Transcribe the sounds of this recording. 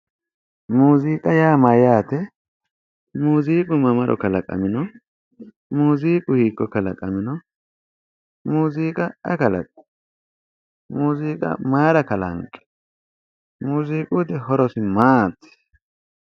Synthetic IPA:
muːziːkʼɐjaːmɐjaːt̪ɛ | muːziːkʼʊmɐmɐɾʔɔ̰kɐlɐkʼɐ̰mɪnɔ | muːziːkʼʊhiːkːɔkɐlɐkʼɐmɪnɔ | muːziːkʼɐɛ̰kɐlɐ̰kʼɛ̥ | muːziːkʼɐ̰maːɾɐkɐlɐ̰ŋkʼːɛ̥ | muːziːkʼut̪ɪhɔɾɔsɪmaːt̪ːɪ̥

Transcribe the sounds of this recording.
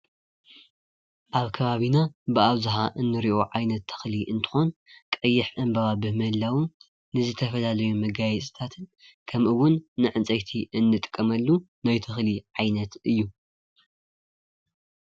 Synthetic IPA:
ʔaβkʰɐβaβinabɨaβzɨɦaʔɨnːɨɾiʔo̞ʕajnɐt̪ʰːɐ̥xliʔɨnt̪ʰɨ̥xo̞nkʼɐjːɪħʔɨmbɐβabɨhmɐlːawu | nɨzɨt̪ʰɐfɐlalɐjumɐɡajɛt͡sʼɨ̥t̪ʰat̪ʰɨn | kʰɐmʔɨwːʊnːɨʕɨnt͡sʼɐjt̪ʰiʔɨnːɨt̪ʼɨkʼːɐmɐlːu | najt̪ʰɐxliʕajnɐt̪ɨjːu

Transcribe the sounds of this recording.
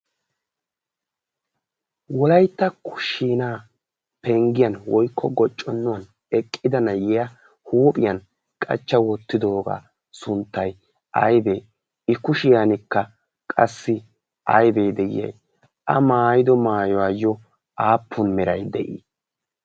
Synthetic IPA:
wɔlɐjt̪ːɐkʰʊ̥ʃiːnaː | pɛŋɡɪjɐnwɔjkʰːɔɡɔt͡ʃʼːɔnːʊwɐn | ɛkʼːɪd̪ɐnɐjɛjɐ | huːpʼɪjɐn | kʼɐ̰t͡ʃːɐwɔt̪ːɪd̪o̞ːɡa̰ː | sʊnt̪ːɐj | ʔɐ̰jbeː | ɪkʊʃɪjanɪkːɐ | kʼɐsːɪ | ɐ̰jbeːd̪ɛjɪ̰jɐ̰j | ʔɐmaːjɪd̪ɔmaːjɔwaːjɔ | aːpʰːʊnmɛɾɐjd̪ɛʔḭː

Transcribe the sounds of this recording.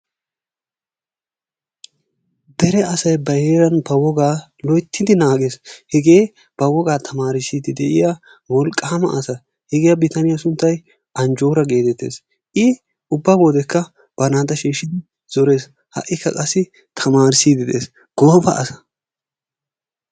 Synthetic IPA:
d̪ɛɾɛɐsɐjbɐjeːɾɐnbɐwɔɡaːlɔjt̪ʰːɪd̪ɪnaːɡe̞ːshɛɡe̞ː | b̥ɐwɔɡaːt̪ʰɐmaːɾɪsiːd̪ɪd̪ɛʔɪja | wɔlkʼːɐmɐ̰ʔɐsɐ | hɛɡɪjɐbɪt̪ɐnɪjasʊnt̪ːɐj | ɐnd͡ʒo̞ːɾɐɡe̞ːt̪ɛt̪ːe̞̰ːs | ʔɪ | ʊbːaboːd̪ɛkʰːɐ | b̥ɐnaːd̪ɐʃiːʃːɪd̪ɪ | z̥ɔɾe̞ːs | hɐ̰ʔːɪkːɐkʼɐsːɪ | t̪ʰɐmaːɾɪsiːd̪ɪd̪ḛːs | ɡ̥ɔfɐ̰ʔɐ̰sɐ̥

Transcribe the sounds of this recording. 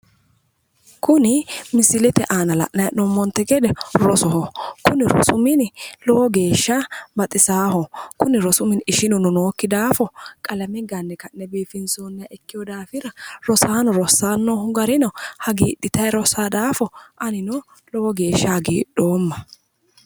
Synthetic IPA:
kʊnɪmɪsɪlɛt̪ɛ̰ʔaːnɐlɐ̰ʔnɐjɐnɔmːɔnt̪ːɛɡɛd̪ɛɾɔsɔɦɔkʊnɪɾɔ̰sʊmɪnlɔwɔɡe̞ːʃːabɐt̪ʼːɪsaːhɔkʊnɪɾɔsʊmɪnɪʃɪnʊnɔnoːkːɪd̪aːfɔkʼɐlɐmɪɡɐnːɛkɐnːɛbiːfɪnsoːnːɪjɐʔɛkːɪjɔd̪aːfɪɾɐɾɔsaːnɔɾɔsaːnːɔʊɡɐɾɪnɔhɐɡḭːɗːɪt̪ɐjɾɔsaːd̪aːfɔʔɐnɪnɔ | lɔwɔɡe̞ːʃːɐɡḭːɗːo̞ːmːɐ

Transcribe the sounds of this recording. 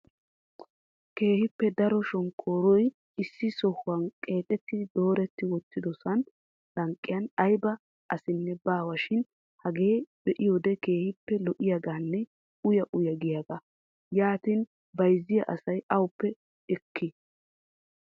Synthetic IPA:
ke̞ːhɪpːɛd̪ɐɾɔʃɔŋkʰːoːɾɔj | ɪsːɪsɔhʊɐnkʼe̞ːt̪ʼɛt̪ːɪd̪o̞ːɾɛt̪ːɪwɔt̪ːɪd̪ɔsɐn | lɐŋkʼːɪjɐnɐjbɐ | ʔɐsɪnːɛbaːwɐʃɪn | hɐɡe̞ːb̥ɛʔɪjoːd̪ɛke̞ːhɪpːɛlɔʔɪjaɡaːnːɛ | ʊjɐʔʊjɐɡɪjaɡɐ | jaːt̪in | bɐjzːɪjɐ̰ʔɐsɐjʔɐwʊpːɛ | ɛkʰːɪ

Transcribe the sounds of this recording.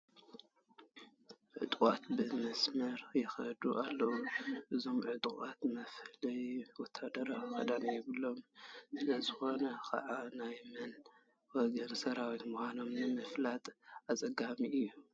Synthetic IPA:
ʕɨ̰t̪ʼkʼat̪bɨmɐsmɐɾjɪxɐ̰d̪uʔalːɐwuʔɨzo̞mʕɨt̪ʼkʼat̪mɐflɐjwɔt̪ʰːad̪ɐɾawxɐ̰d̪anjɪβɨlo̞msɨlɐzɨxo̞nɐkʰa̰ʕanajmɐn | wɔɡɐnsɐɾawit̪muxʷano̞mnɨmɨflat̪ʼat͡sʼɐɡamiɨjːu

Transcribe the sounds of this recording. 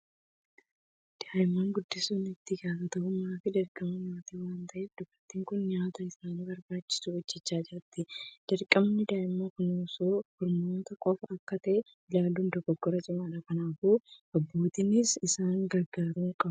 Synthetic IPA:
d̪̥aːjɪmaːŋɡʊd̪ːɪsuːnɪt̪ːɪɡaːfɐt̪ɐʔʊmaːfɪd̪ɐɾkʼɐmɐɲaːt̪iwaːnt̪ɐʔefd̪ʊbɐɾt̪ːiːŋkʊnɲaːt̪ɐɪsaːnibɐɾbaːt͡ʃːɪ̥suwɔd͡ʒːɛt͡ʃːaːd͡ʒɪɾɐt̪ːɪd̪̥ɐɾkʼɐmnːɪd̪aːjɪmːakʊnoːsoːhɔɾmoːt̪ɐkʼɔfɐɐkːɐt̪ɐʔɛ | ɪlaːluːnd̪ɔɡɔɡːɔɾɐt͡ʃʼɪmaːᶑɐkɐnaːbuːɐbːo̞ːt̪ɪnɪsɪsaːŋɡɐɾɡaːɾuːŋkʼɐbʊ

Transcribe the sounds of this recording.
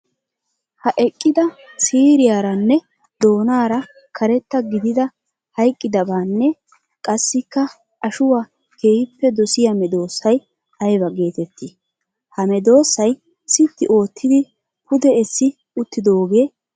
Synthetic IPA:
hɐʔɛkʼːɪd̪ɐsiːɾɪjaːɾɐnːɛ | d̪o̞ːnaːɾɐ | kʰɐɾɛt̪ːɐɡɪd̪ɪd̪ɐ | hɐjkʼːɪd̪ɐbaːnːɛ | kʼɐsːɪkːɐ | ɐʃʊwaː | ke̞ːhɪpːɛd̪ɔsɪjɐmɛd̪o̞ːsːɐj | ɐjbɐɡe̞ːt̪ɛt̪ːi | hɐmɛd̪o̞ːsːɐj | sɪt̪ːɪʔo̞ːt̪ːɪd̪ɪ | pʊd̪ɛɛsːɪ | ʊt̪ːɪd̪o̞ːɡe̞ː

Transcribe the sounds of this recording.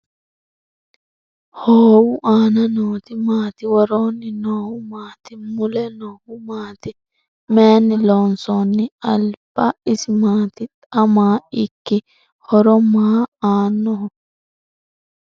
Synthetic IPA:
hoːwʊʔaːnɐnoːt̪ɪmaːt̪ɪwɔɾoːnːɪnoːwʊmaːt̪ɪmʊlɛnoːwʊmaːt̪ɪ | meːnːɪloːnsonːɪɐ̰lb̥ɐɪsɪmaːt̪ɪtɐmaːɪkːɪ | hɔɾɔmaːaːnːɔɦɔ

